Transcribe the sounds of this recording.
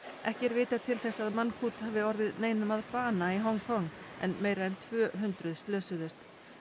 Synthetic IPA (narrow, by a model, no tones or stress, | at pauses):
ʔɛhcɛɾvɪːt̪at̪ʰɪlθɛsːaðmanːkʰuːt̪haːvɪɔɾðɪðneːjnʏmaðpaːnaiɦɔwŋkʰɔŋːɛ̰nmeːjɾaɛnt̪ʰv̥œːɦʏnt̪ɾʏðst̪lœːsʏðʏst̪